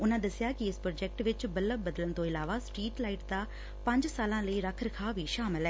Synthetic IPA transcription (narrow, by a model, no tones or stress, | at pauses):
ʊnãːd̪əsɪjaːkɪɪspɾoːd͡ʒɛk̚ʈʋɪt͡ʃbələbəd̪ələnt̪õːɪlaːʋaːsʈɾiːʈlaːɪʈd̪aː | pəɲd͡ʒsaːlãːləiːɾəkʰɾəkʰaːʋiːʃaːmɪlɦɛː